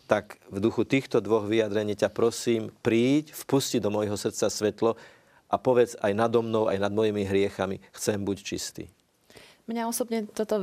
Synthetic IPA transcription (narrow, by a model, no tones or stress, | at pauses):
t̪akvd̪uxut̪iːxt̪ɔd̪ʋɔɣʋijad̪ɾɛɲiːcapɾɔsiːmpɾiːcfpusciɟd̪ɔmɔjɦɔsrt̪t͡sasʋɛt̪lɔ | ʔapɔʋɛd͡zajnad̪ɔmnɔʊa̰jnad̪mɔjimiɦɾɪɛxamixt͡sɛmbuct͡ʃist̪ḭː | mɲaɔsɔbɲɛt̪ɔt̪ɔ